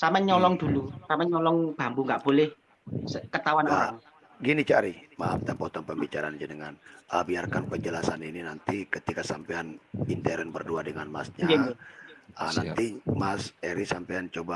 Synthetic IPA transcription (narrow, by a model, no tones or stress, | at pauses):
samaɲɔlɔŋd̪̥ulusamaɲɔlɔŋb̥ambuŋɡaʔb̥olɛh | əkət̪awanaaa | ɡinit͡ʃaɾima̰apt̪apɔt̪ɔnpəmbit͡ʃaɾaːnd͡ʒənəŋanʔəbiarkanpəd͡ʒəlasanininant̪ikət̪ikasampeanint̪eɾɛnbərduadəŋanma̰sɲad͡ʒ | ə̰nant̪imaseɾisampejant͡ʃoba